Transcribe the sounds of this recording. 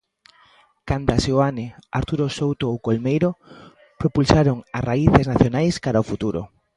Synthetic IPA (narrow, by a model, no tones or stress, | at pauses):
kand̪aseoanɪaɾt̪uɾosowt̪oowkolmejɾo | pɾopulsaɾoŋasraiθɪznaθjonajskaɾaʊfut̪uɾo̰